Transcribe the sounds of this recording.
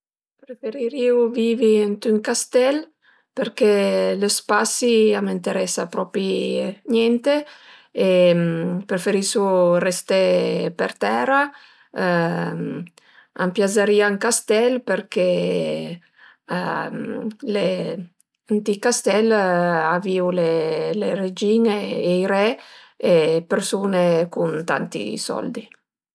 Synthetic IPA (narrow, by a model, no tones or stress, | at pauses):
pɾefeɾiɾiuviviant̪yŋkast̪ɛl | peɾkeləspasiamint̪eɾɛsapɾɔpiɲɛnt̪eː | pɾefeɾisurest̪epḛɾt̪ɛɾa | a̰mpjazaɾiaŋkast̪ɛlpeɾke | mle | ant̪ikast̪ɛlaviːuleleɾed͡ʒiːneːiɾɛ | epeɾsuːnekunt̪a̰nt̪ḭsɔ̰ld̪i